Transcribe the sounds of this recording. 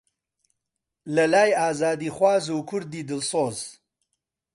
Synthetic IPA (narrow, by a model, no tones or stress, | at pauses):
lɐlaːjaːzɑːd̪iχwaːzokʰʊɾd̪id̪əlsoːz